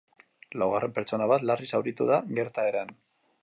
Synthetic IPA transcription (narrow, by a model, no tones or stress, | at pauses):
lawɣ̞are̞mpeɾt͡so̞naβat̪larisawɾit̪uðaɡe̞ɾt̪aeɾan